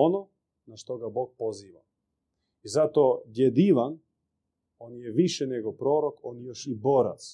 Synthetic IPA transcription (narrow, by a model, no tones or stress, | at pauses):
onɔ | naʃt̪ɔɡabɔk̚poziʋa̰ | izat̪ɔːd̪jɛd̪iʋan | onjɛviʃɛnɛɡɔpɾɔɾɔkɔnjɔʃibɔɾa̰t̪s